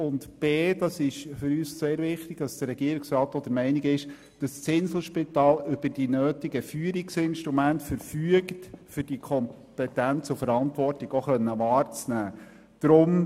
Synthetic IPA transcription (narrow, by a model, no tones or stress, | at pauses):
ʊntb̥eːdɑsɪʃfʏɾyːsseːɾʋɪχtɪɡ̥tɑsd̥ərːɛɡiəɾɪksɾɑːtod̥̪əɾmɛɪnɪɡɪʃ | d̥ɑst͡sɪnsl̩ˠʃpɪtɑːlʏb̥əɾd̥inøːtɪɡəfyːəɾɪksɪnʃtɾumæntfəɾfyəktfʏɾd̥ikʰɔm | pɛtænt͡sʊfəɾɑntʋɔrtɪɡ̥oχœnːəʋɑːɾt͡snæː | d̥ɾʊm